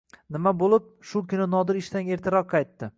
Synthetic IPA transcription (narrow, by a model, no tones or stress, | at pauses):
nɪmabolˠɪp̚ʃʊkʰʲʊnɪnɒd̪ɪɾɪʃt̪aŋe̞ɾt̪ʰɪɾɒq̚ʰːɑjt̪ːɪ